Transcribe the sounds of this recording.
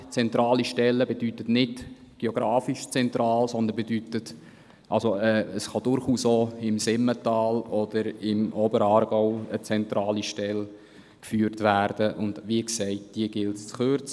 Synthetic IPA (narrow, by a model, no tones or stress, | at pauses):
t͡sɛntɾɑːliʃtɛlːəbedytətnɪd | ɡ̥eoɡ̥ɾɑːfiʃt͡sɛnt̪ɾɑːlsɔnd̪ənbedytət | ʔɑlsoɛːəsχɑd̥ʊɾχuːsoɪmsɪmətɑːlɔd̥əɾɪmʔɔbəɾɑːɾɡ̥ɔʊət͡sɛntɾɑːliʃtɛl | kfyːɾtvæːrd̥əʔʊnd̥ʋiəksɛɪt̚d̥iəɡ̥ɪltt͡sχøɾt͡s